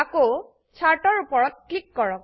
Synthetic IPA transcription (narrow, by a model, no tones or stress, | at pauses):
ako | t͡ʃʰaɹʈɔɹupɔɹɔt̚ʈʰikːɔɹɔk̚